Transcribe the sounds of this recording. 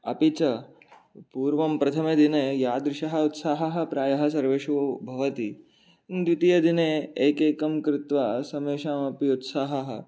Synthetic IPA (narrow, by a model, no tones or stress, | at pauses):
ɐpit͡ʃɐ | puːɾʋɐmpɾɐt̪ʰɐmɐd̪ineːjaːd̪ɾɪʃɐɦɐut̪saːɦɐɦɐ̆pɾaːjɐɦɐ̆sɐɾʋeːʃubʱɐʋɐt̪i | nd̪ʋit̪ijɐd̪ineeːkeːkɐmkɾɪt̪ʋaːsɐmeːʃaːmɐpiut̪saːɦɐɦɐ̆